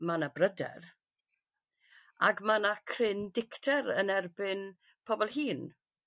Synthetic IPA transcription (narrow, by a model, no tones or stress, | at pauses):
manabrədɛ̰r | aɡmanakʰrɪndɪktʰɛɾənɛrbɪn | pʰɔbɔlˠhiːn